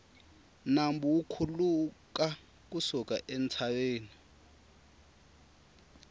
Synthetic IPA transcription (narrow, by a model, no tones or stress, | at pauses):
nambuwukʰuluka | k̬usuk̬ʼa̰ʔent͡sʰaweːni